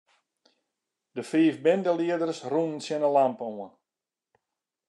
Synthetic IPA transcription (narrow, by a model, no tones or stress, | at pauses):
dəfiːfbɪndəliədərsrunənsjɪnəlampəoən